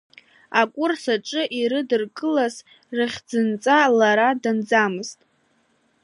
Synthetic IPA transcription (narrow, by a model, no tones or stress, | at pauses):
akʷʼʊrsaʈ͡ʂʼɨʔiɾɨdɨrkʼɨlaz | rɨχʲd͡zɨnt͡sʼalaɾadand͡zamɨztʼ